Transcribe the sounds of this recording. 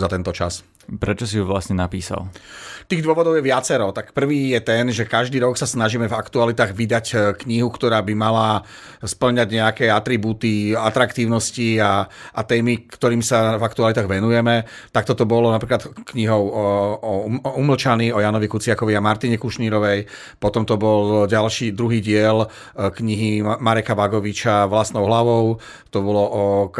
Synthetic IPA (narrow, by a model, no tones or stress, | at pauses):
zat̪ɛnt̪ɔt͡ʃas | pɾɛt͡ʃɔsiuʋlasɲɛnapiːsa̰lt̪iːɣd̪ʊɔʋɔd̪ɔʊjɛʋɪat͡sɛɾɔt̪akpr̩ʋiːjɛt̪ɛnʒɛkaʒd̪iːɾɔksasnaʒimɛvakt̪ualit̪aːɣʋid̪ackɲiɦukt̪ɔɾaːbimala | spl̩ɲaɟɲɛakɛat̪ɾibuːt̪iat̪ɾakt̪iːʊnɔsciaʔat̪ɛːmikt̪ɔɾiːmsavakt̪ualit̪aːɣʋɛnujɛmɛ | t̪akt̪ɔt̪ɔbɔlɔnapɾiːklat̪kɲiɦɔʊ | uml̩t͡ʃaniɔjaːnɔʋikut͡sɪakɔʋiamaɾt̪iɲɛkuʃniːɾɔʋɛj | pɔt̪ɔmt̪ɔbɔlɟalʃiːd̪ɾuɦiːɟɪɛl | kɲiɦimaɾɛkaʋaɡɔʋit͡ʃaʋlast̪nɔʊɦlaʋɔʊ | t̪ɔbɔlɔʔɔ